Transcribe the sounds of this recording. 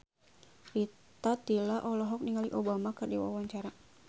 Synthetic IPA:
ri | t̪at̪ilaʔɔlɔɦɔk̚niŋaliʔobamakɨrdiwa̰waɲt͡ʃaɾa

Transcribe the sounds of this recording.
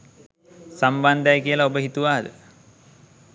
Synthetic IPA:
samband̪ajkijəlaobəɦit̪uʋaːd̪ə

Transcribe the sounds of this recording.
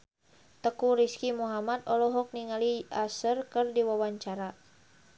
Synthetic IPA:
t̪əkuɾiskimuɦamad̪ɔlɔɦɔk̚niŋaliasərkərdiwawaɲt͡ʃaɾa

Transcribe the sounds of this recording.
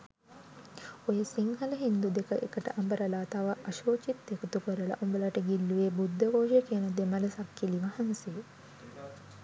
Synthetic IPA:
ojəsiŋɦɐləɦind̪ud̪ekəʔekəʈəʔambəɾəlaːt̪aʋəʔɐʃoːt͡ʃit̪ːekut̪ukəɾəla̰ʔombəlaʈəɡilːuʋeːbud̪ːəʋoːʒekiənəd̪emələsakːiliʋɐhanse

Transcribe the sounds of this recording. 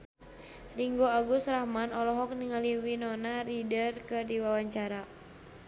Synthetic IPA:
riŋɡoaɡusrahmanɔlɔɦɔk̚niŋaliwinɔnaɾidərkɨrdiwawaɲt͡ʃaɾa

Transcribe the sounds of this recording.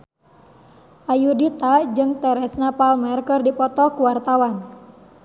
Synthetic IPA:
ʔajudit̪ad͡ʒɨŋt̪ɛɾɛsnapalmɛrkərdipɔt̪ɔkuwart̪awan

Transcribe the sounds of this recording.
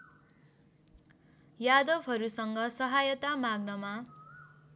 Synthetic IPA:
jad̪ʌbɦʌɾusʌŋɡʌsʌɦajʌt̪amaɡnʌma

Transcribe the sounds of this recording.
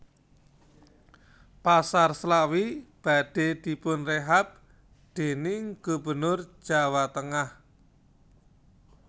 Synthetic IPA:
pasarslawib̥a̤ɖ̥e̤d̪̥i̤pʊnreɦap̚ | d̪̥e̤nɪŋɡ̥ubə̤nʊr̥ʒ̥awat̪əŋah

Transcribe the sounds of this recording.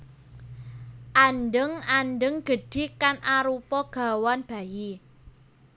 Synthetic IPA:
ʔanɖəŋandəŋɡ̥ə̤ɖ̥i̤kanʔaɾupɔɡ̥a̤wanb̥a̤ji

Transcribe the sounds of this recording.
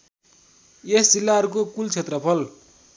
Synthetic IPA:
esd͡zilːaʌɾukokult͡sʰet̪rʌpʰʌl

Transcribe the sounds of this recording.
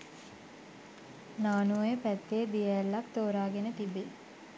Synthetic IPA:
naːnuəjəpæt̪ːeːd̪ijəːlːakt̪oːɾaːɡenət̪ibe

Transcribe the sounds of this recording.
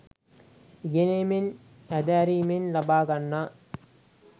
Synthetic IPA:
ɡenemen | æd̪aːɾimenlɐbaːɡɐnːa

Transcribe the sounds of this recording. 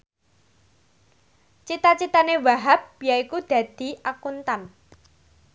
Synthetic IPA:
t͡ʃit̪at͡ʃit̪anewaɦap̚jaikud̪̥ä̤d̪̥i̤ʔakunt̪an

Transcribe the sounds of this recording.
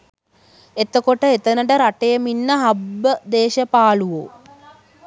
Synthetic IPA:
et̪əkoʈəet̪ənəʈəɾaʈejəminːəɦabːəd̪eːʃəpaːluʋo̰ː

